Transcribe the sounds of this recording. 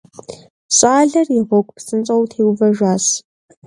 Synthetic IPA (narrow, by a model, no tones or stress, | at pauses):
ɕʼaːɮɐriʁʷɔkʷʼpsɨnt͡sʼɐwtʰeːwvɐʒʷaːɕ